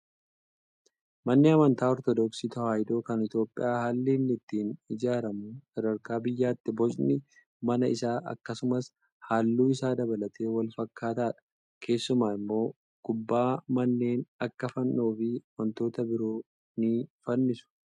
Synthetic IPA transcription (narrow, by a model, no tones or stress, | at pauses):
mɐnːɪɐmɐnt̪aːɔɾt̪ɔd̪ɔksiːt̪ɐhaːjd̪o̞ːkɐnɪt̪jo̞ːpʼːɪ̰jaːhaːlːiːnːɪt̪ːiːnɪd͡ʒaːɾɐmusɐd̪ɐɾkaːbɪjːaːt̪ːɪbɔt͡ʃʼnɪ | mɐnɐɪsaːʔɐ̰kːɐsʊmɐs | haːlːuːɪsaːd̪ɐbɐlɐt̪e̞ːwɐlfɐkːaːt̪aːᶑɐ̥ | kʰe̞ːsːʊmaːɪmːo̞ː | kʊbːaːmɐnːe̞ːnɐkːɐfɐnːoːfɪɐmɐnt̪o̞ːt̪ɐbɪɾoː | nɪfɐnːɪsʊ̥